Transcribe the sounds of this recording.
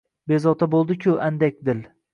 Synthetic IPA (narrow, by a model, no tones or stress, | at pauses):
bezɒt̪ʰabolˠd̪ɪkʲʰʊʔand̪ak̚ʲd̪ɪl